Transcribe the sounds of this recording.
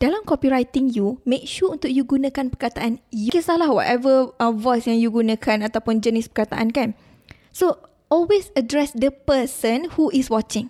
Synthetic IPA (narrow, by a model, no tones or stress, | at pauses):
d̥alamkɔpiɾajt̪ɪŋjumẽk̚ʃuunt̪ʊk̚juɡunãkanpərkat̪aʔanjkɛsalahwɔ̰t̪ɛvəə̃vɔjsjaŋjuɡunãkʰanat̪awpʊnd͡ʒənɪspə̥kat̪a̰ʔa̰nkan | so | ʔɔlwesədɾɛsdəpəsənhuʔɪswɔt͡ʃɪ̃ŋ